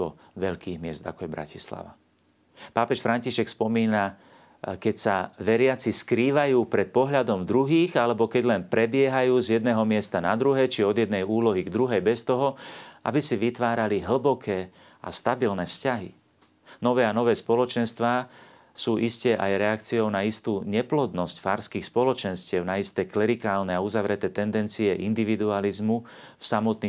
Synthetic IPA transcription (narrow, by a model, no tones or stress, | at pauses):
ɔ̰ | ʋɛʎkiːɣmɪɛzd̪a̰kɔjɛbɾa̰cisla̰ʋa̰ | paːpɛʃfɾaɲciʃɛkspɔmiːna | kɛcsaʋɛɾɪat͡siskɾiːʋajuːpɾɛt̪̚pɔɦʎad̪ɔmd̪ɾuɦiːɣalɛbɔkɛɟlɛnpɾɛbɪɛɦajuːzjɛd̪nɛːɦɔmɪɛst̪anad̪ɾuɦɛt͡ʃiɔd̪jɛd̪̚nɛjuːlɔɦiɡd̪ɾuɦɛjbɛst̪ɔɦɔa̰bisiʋit̪ʋaːɾaliɦl̩bɔkʰɛː | a̰st̪abilnɛfscaɦḭ | nɔʋɛːanɔʋɛːspɔlɔt͡ʃɛnst̪ʋaː | suːʔiscɛʔajɾɛakt͡siɔʊnaist̪uːɲɛplɔd̪nɔscfa̰ɾskiːxspɔlɔt͡ʃɛnscɪɛʊnaist̪ɛːklɛɾikaːlnɛauzaʋɾɛt̪ɛːt̪ɛnd̪ɛnt͡siɛʔind̪iʋid̪ualizmu | fsamɔt̪niː